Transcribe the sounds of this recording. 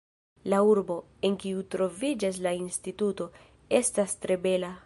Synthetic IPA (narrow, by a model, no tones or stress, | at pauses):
lauɾbo̞ | e̞nkiutɾo̞vid͡ʒas̬lainstituto̞ | estastɾe̞be̞la